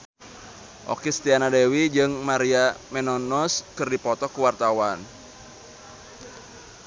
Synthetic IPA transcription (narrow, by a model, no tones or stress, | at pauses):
ʔo̰kist̪ianadewid͡ʒɨŋmaɾiamɛnɔnɔskɨrdipɔt̪ɔkuwart̪awan